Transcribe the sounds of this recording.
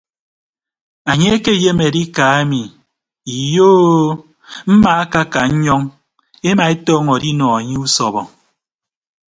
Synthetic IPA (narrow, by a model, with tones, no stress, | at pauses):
a˨ɲe˦e˦ke˦˨je˦me˨di˦ka˨e˦mi˨ | i˨joː˦ | m̩˦ma˨a˦ka˦ka˨ɲ̩˦ɲɔ˦ŋ | e˦ma˨e˦tɔː˦ŋɔ˨di˦nɔ˨a˨ɲe˦u˦sɔ˨βɔ˨